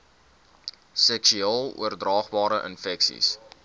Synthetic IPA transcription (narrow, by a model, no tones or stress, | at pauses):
sɛksyɑːlˠṵərdrɑːχbɑːɾəʔə̰nfɛksḭs